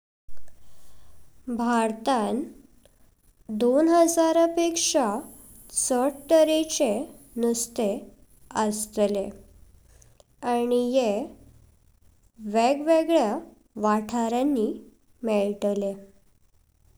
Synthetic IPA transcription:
bʱaɾt̪ãn | d̪onɦəd͡zaɾəpekʂa | t͡səʈʈəɾet͡ɕe | nust̪e | əst̪le | añije | ʋeɡʋeɡɭja | ʋaʈʰaɾjanːi | meɭʈle

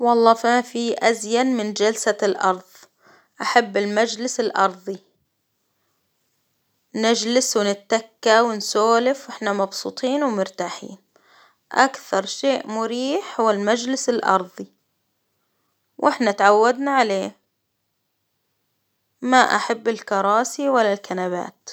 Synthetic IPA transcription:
wɑlˤːɑːfimafiʔazjanmɪnd͡ʒalsalʔɑ̰ɾˤðˤ | ʔaħabːɪlmad͡ʒlɪsɪlʔɑɾˤðˤi | nɪd͡ʒlɪswɪnɪt̪ːakːawɪnsoːlɪfwʔɪħnamɑbsṵːt̪ˤiːnwɪmʊɾt̪aːħḭːn | ʔakθɑɾˤʃeːʔmʊɾiːħhʊwɪlmad͡ʒlɪsɪlʔɑ̰ɾˤðˤi | wʔɪħnat̪ʕawːad̪naʕaleː | maʔa̰ħabːɪlkɑɾˤɑːsiwalːalkʰanaβa̰ːt̪

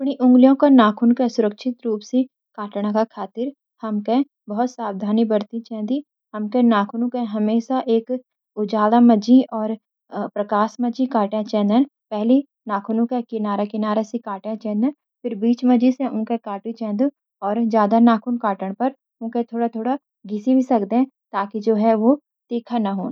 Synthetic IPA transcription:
ɐpɳiʔʊ̃ŋɡlijõkanaːkʰʊnkesʊɾəkʃʰɪt̪ɾuːpsi | kaːʈɽ̃ãkakʰaːt̪ɪɾ | hɐmke | bɐɦʊt̪saːbd̪ʱaːnibəɾt̪it͡ʃɛ̃ːnd̪i | hɐmkẽnaːkʰʊnõkeɦɐmeːʃaʔeːk | ʊd͡ʒaːlamɐd͡ʒĩɔːɾ | pɾɐkaːʃmɐd͡ʒikaːʈẽt͡ʃɛ̃ːnd̪epɛɦli | naːkʰʊnũkekɪnaːɾakɪnaːɾesekaːʈẽt͡ʃɛ̃ːnd̪ẽ | fɪɾbiːt͡ʃmɐd͡ʒisẽʔʊ̃kekaːʈĩt͡ʃɛ̃ːnd̪ũ | ɔːɾzjaːd̪anaːkʰʊnkaːʈəɽ̃pɐɾ | ʊ̃kẽt̪ʰoːɽat̪ʰoːɽa | ɡɪsibʱisɐkd̪ẽ | t̪aːkid͡ʒoːɦɛʋo | t̪iːkʰanɐɦoː

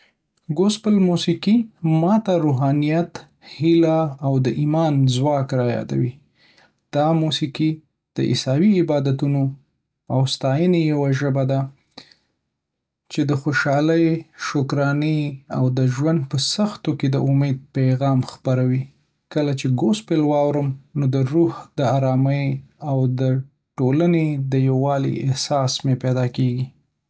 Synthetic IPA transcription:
ɡosbəlmusiqimɑt̪aɾoɦɑnijat̪ | hilaːwd̪əʔimɑnzwɑkɾɑjɑ̰d̪a̰wi | d̪̥ɑmusiqi | d̪̥əʔɪ̰sɑwiɪbɑd̪at̪uno | awst̪ɑjənejawaʒəbad̪a | t͡ʃed̪əxoʃɑləjʃʊkɾɑniawd̪əʒwand̪̚pəsaxt̪oked̪əʔʊmed̪̚paɣɑmxpaɾawi | kəlat͡ʃeɡospelwɑwɾəmnod̪əɾuhd̪əaɾɑməjawd̪ə | ʈolaned̪əjawɑlḭɪhsɑsmeped̪ɑkeɡi

